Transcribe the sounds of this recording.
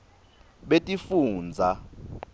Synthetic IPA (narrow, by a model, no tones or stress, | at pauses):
ɓetʼifuːnd͡zʱa